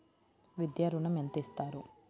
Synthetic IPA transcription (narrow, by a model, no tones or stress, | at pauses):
ʋid̪jaːɾunɐment̪ist̪aːɾu